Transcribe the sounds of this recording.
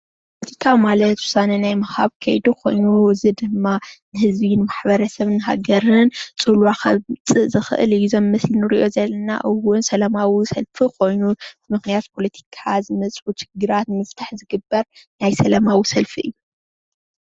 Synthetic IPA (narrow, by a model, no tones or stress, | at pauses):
pʰolɐt̪ʰi̥kʰamalɐt̪wʊ̥sanɐnajmɐxha̰βkʰɐ̰jd̪ukʰo̞̰jnuɨzɨd̪ɨmːanɨhɨzbinmaħbɐɾɐsɐβɨnɦa̰ɡɐɾɨnt͡sʼulwaxɐ̰t͡sʼɨʔzɨxɨ̰ʔɨ̰lɨjːuzɐmːɐslinɨɾiʔo̞zɐlːɐna̰ʔɨwʊnsɐlɐmawisɐlfikʰo̞jnumɨxnijat̪pʰo̞lɐt̪ʰi̥kʰazɨmɐt͡sʼħut͡ʃɪ̥ɡːɨɾat̪mɨft̪ʰaħzɨɡɨbːɐɾnajsɐlɐmawisɐlfiʔɨ̰jːu